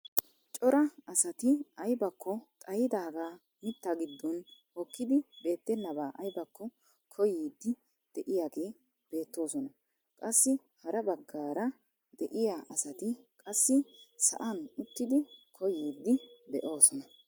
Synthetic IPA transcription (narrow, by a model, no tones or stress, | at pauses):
t͡ʃʼɔɾɐɐsɐt̪ɪɐjbɐkːɔt̪ʼɐjɪd̪aːɡaː | mɪt̪ːaɡɪd̪ːɔnhɔkːɪd̪ɪbe̞ːt̪ːɛnːɐbaːʔɐjbɐkːɔ | kʰɔjiːd̪ːɪ | d̪̥ɛʔɪjaːɡe̞ː | b̥e̞ːt̪ːo̞ːsɔnɐ | kʼɐsːɪ | hɐɾɐbɐɡːaːɾɐ | d̪ɛʔɪjaːʔɐsɐt̪ɪkʼɐsːɪsɐ̰ʔɐnʊt̪ːɪd̪ɪkʰɔjiːd̪ːɪd̪ɛʔo̞ːsɔnɐ